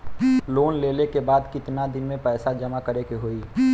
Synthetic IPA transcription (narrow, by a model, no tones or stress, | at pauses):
loːnleːlekebaːd̪kɪt̪nad̪ɪnmẽpɛːsad͡ʒəmakəɾekeɦoːiː